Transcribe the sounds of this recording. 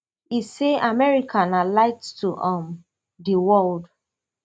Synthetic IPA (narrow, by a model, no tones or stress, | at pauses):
iseʔamɛɹikʰãnalaɪttuʔam | diwɔld